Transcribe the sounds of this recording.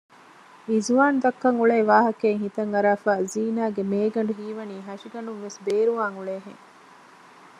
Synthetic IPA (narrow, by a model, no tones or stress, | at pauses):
izuʋaːnd̪ɐkːɐŋuɭeːʋaːɦɐkeŋɦit̪ɐŋɐɾaːfaːziːnaːɡemeːɡɐɳɖuɦiːʋɐniːɦɐʃiɡɐɳɖuŋʋesbeːɾuʋaːŋuɭeːɦḛŋ